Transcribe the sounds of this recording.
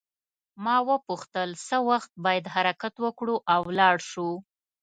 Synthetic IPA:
mɑwəpuxt̪əlsəwaxt̪̚bɑjad̪ɦaɾakat̪wəkɽuʔawlɑɽʃu

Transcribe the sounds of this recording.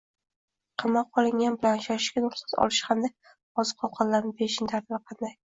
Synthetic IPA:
qʰɨmːaqʰːɒlˠɪŋʲanbɪlanʃaɪʃkʲanʊɾsḁt̪ɒ̰lˠɪʃhamd̪a | ɒzɨqʰɒlˠqʰɑllːaɾnɪbeʃɪnt̪ʰaɾd̪naqʰɑnd̪aj

